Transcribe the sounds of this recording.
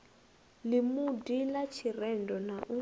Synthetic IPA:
limudilat͡ʃʰirɛndɔnaʔu

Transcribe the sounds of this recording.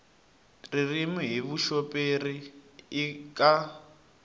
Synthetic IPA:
ririmiɦiβuʃɔpʼeriː | kʼa

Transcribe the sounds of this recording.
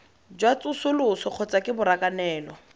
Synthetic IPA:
d͡ʒwat͡sʼʊsʊlʊsɔq͡χʰɔt͡sakʼɪbʊɾakʼanɛːlɔ

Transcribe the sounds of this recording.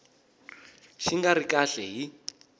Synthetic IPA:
ʃiŋɡaɾikaɬɛɦi

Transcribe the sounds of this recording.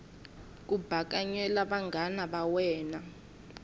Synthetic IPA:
k̬ʼub̥ʱak̬ʼaɲɛlaɓaŋɡʱanaɓawɛːna

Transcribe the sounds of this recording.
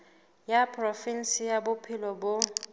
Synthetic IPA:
japʰʼrɔfin̩sijabʊpʰɪlɔbʊ

